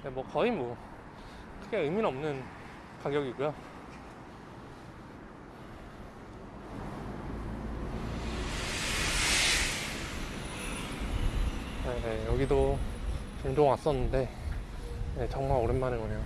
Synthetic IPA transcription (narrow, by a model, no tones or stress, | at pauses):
nemwʌkʌimwʌ | kʰɯɡe̞ɯminʌmnɯn | kaɡjʌɡiɡujo | jejejʌɡido | t͡ɕoŋd͡ʑoŋwas͈ʌnːɯnde̞ | je̞t͡ɕʌŋmaɾoɾɯnmanɯnɡʌnejo